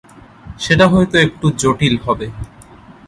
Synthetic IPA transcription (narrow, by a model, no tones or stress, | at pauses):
ʃeʈaɦɔet̪oek̚ʈud͡ʑoʈilɦɔbe